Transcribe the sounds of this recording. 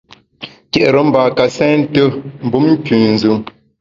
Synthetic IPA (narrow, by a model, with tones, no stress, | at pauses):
kɛ˨ʔɾə˨˦m̩˦ba˨ka˨sɛ̃ː˦n˦tə˦m̩˨bu˦mŋ̩˦kʉ˨n̩˨zɨ˨˦m